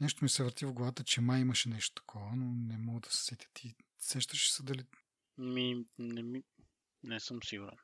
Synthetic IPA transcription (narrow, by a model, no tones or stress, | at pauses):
nɛʃt̪omisɛvɾt̪ivɡlˠɐvat̪ət͡ʃɛmaimɐʃɛnɛʃt̪o̥t̪ɐ̥kʰɔvənonɛmɔɡəd̪ɐsɛ̥sɛt̪ʲə̥t̪ʰi | sɛʃt̪əʃɛ̥səd̪ɐli | minɛmi | nɛsəmsiɡuɾɛ̰n